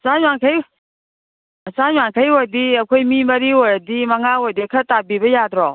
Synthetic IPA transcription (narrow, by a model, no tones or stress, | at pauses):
saɲakʰəj | əsaɲwaŋkʰəjwɔdiəkʰujmiməɾiwɔdiməŋawɔdikʰətabibɛjad̪ɾɔ